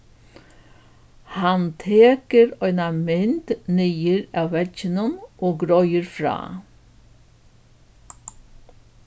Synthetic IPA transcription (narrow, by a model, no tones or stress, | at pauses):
hɑnt̪ʰeːkəɾœʏnɑmɛnt̪nijəɾɑːʋɛçənənʔoːɡɾœʏəɾfɾɑ̰ː